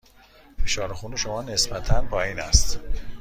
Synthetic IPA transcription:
feʃɒːɾexuːniʃo̞mɒːne̞sbæt̪ʰænbʰɒːiːnæst̪

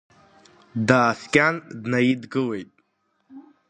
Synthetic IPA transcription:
d̪askʲʼand̪najid̪ɡɨwejt̪ʼ

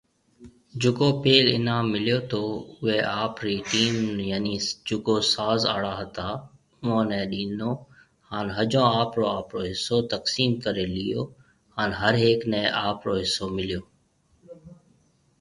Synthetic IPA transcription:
d͡ʒʊkoːpeːlɪ̰nãːmːɪljoːt̪ʰoːʊɦeːʔaːpɾiːʈiːmjaːniːd͡ʒʊkoːsaːza̰ːɽaːɦət̪aː | ʊʋãːnɛ̃ːɗiːnoː | haːnɦəd͡ʒõːaːpɾoːaːpɾoːɦɪsːoːt̪əksiːmkəɾeːlɪjo̰ː | haːnɦəɾɦeːknɛ̃ːʔaːpɾoːɦɪsːoːmɪlijoː

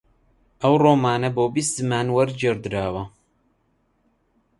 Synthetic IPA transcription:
ʔɐwroːmaːnɐboːbist̪ɨmaːnwɐɾd͡ʒeːɾd̪ɨɾaːwɐ

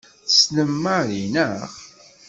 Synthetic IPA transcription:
θə̥sləmːaɾinəʁ

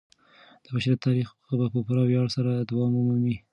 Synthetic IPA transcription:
d̪̥əbaʃɾiat̪ʰɑɾix | abapəpaɾɑwjɑɽsaɾad̪wɑmamamwi

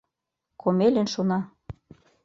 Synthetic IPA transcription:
kʰomelĕnʃonɑ

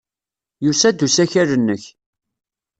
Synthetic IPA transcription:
jusæd̪usæçæɾənːəç

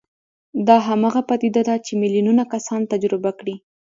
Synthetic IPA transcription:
d̪ɑɦamɑɣapat̪id̪ad̪at͡ʃemɪljununakasɑnt̪ad͡ʒɾɪbakɽi

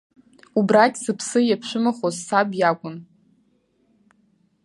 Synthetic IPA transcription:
ubrakʲʼzɨpʰsɨjapʰʃʷᶣɨmaχozːabjakʷʼʊn

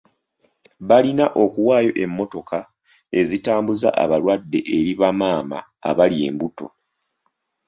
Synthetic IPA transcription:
βalinaʔo̞kuwaːjo̞ʔe̞mːo̞to̞ka | e̞zitaːmbuza̰ʔa̰βaɾwadːe̞ʔeɾiβamaːma̰ːβalie̞̰ːmbuto̞̰

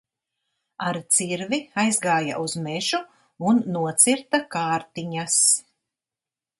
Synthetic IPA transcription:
aɾt̪siɾviajzɡaːja̰ʔuzmɛʒu | unːuɔt̪siɾt̪akaːɾt̪iɲas

